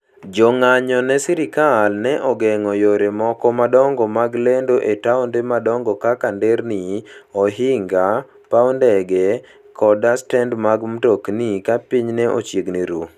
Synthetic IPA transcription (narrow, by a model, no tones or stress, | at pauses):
d͡ʒɔŋaɲɔnɛsiɾɪkalnɛʔɔɡɛŋɔjoɾemɔkɔmadɔŋɡɔmaɡlendoʔetawndemadɔŋɡɔkakandɛɾniɔɦɪŋɡa | paɔndɛɡɛ | kʰɔdastɛndmaɡmtoknikapiɲnɛʔɔ̰t͡ʃjeɡniɾu